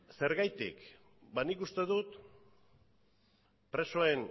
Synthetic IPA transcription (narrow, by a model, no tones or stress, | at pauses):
se̞ɾɣajt̪ḭk | banikust̪e̞ðut̪ | pɾe̞so̞e̞n